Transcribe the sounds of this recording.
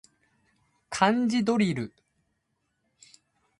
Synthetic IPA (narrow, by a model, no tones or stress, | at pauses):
kʰãɲ̟d͡ʑid̪o̞ɾʲiɾɯ̟